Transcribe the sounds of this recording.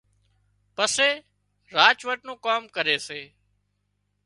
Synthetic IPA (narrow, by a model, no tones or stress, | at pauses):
pəseː | ɾaːt͡ʃʋəʈnũːkoːmkəɾeːseː